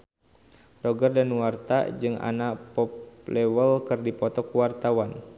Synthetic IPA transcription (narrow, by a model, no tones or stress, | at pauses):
rɔɡərdanwart̪a̰d͡ʒɨŋʔa̰napɔp̚lɛwəlkɨrdipɔt̪ɔkuwart̪awan